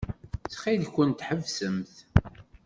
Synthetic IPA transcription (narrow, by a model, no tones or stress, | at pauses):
t͡sχiðçʷənt̪ħəvsəmθ